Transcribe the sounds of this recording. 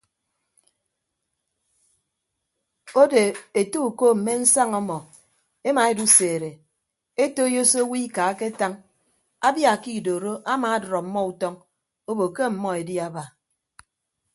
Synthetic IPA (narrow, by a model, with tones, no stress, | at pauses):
o˦de˨e˨tu˦u˨ko˦m̩˨me˦n̩˦sa˦ŋɔ˦mɔ˨ | e˦ma˨e˨du˦seː˨ɾe˨ | e˦to˦jo˦so˦wi˦ka˨a˦ke˦ta˦ŋ | a˦bja˦˨ki˦˨do˨ɾo˦ʔa˦maː˨a˦dɾɔ˨m̩˦mːɔ˦u˨tɔ˦ŋ | o˦bo˨ke˦m̩˨mɔ˦e˨di˦a˦ba˨